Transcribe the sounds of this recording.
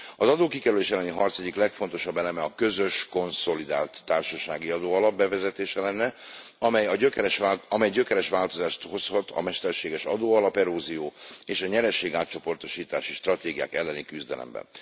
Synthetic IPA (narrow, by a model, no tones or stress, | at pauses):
ɒzɒd̪oːkikɛɾyleːʃɛlːɛniɦɒrt̪sɛɟːiklɛkfo̞nt̪o̞ʃɒbːɛlɛmɛɒkø̞zøʃko̞nso̞lid̪aːlt̪ːaːrʃɒʃaːɡiɒd̪oːɒlɒb̚bɛvɛzɛt̪eːʃɛlɛnːɛɒmɛjɒøkɛɾɛʃaɒmɛjɟøkɛɾɛʃʋaːlt̪o̞zaːʃt̪ho̞shɒt̪ʰɒ̰mɛʃt̪ɛrʃeːɡɛʃɒ̰d̪oːɒlɒpɛɾoːzijoːeːʃɒɲɛɾɛʃeːɡaːt̪t͡ʃo̞po̞rt̪o̞ʃiːt̪aːʃiʃt̪rɒt̪eːɡija̰ːkɛlːɛnikyzd̪ɛ̰lɛ̰mbɛ̰n